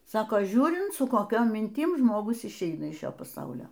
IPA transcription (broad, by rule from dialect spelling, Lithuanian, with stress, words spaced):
ˈsɑːkoː ˈʒʲuːrʲɪnt sʊ koːˈkʲoːm mʲɪnʲˈtʲɪm ʒmoːˈɡʊs ɪʃʲˈɛɪnɐ ɪʃ ˈʃʲoː pɐˈsɐʊlʲoː